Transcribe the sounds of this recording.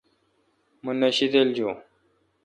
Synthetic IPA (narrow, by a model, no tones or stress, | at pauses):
munːɐɕid̪eld͡ʑo